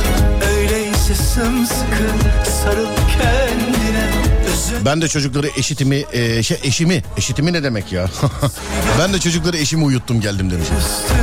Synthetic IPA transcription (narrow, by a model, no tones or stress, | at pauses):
øjlɛjisesɯmsɯkʰɯnsaɾɯlˠcʰɛnd̪inɛøzbænd̪ɛt͡ʃʰo̞d͡ʒuklˠaɾɯʔe̞ʃit̪imiʔʃɛʔeʃimie̞ʃit̪ʰiminɛd̪e̞mɛcjaː | bænd̪ɛt͡ʃʰo̞d͡ʒuklˠaɾɯe̞ʃimiujut̪ʰːumɟælʲd̪imd̪emid͡ʒeniz